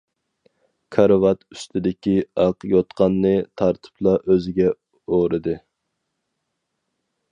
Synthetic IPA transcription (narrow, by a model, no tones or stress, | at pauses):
kʰɑɾvɑt̪y̥st̪ʰɪd̪ɪkʲiɑqjot̪qʰɑnːɨt̪ʰɑɾt̪ʰɨ̥pʰlˠɑʔøzɪɡʲɛ | oɾɨd̪ɨ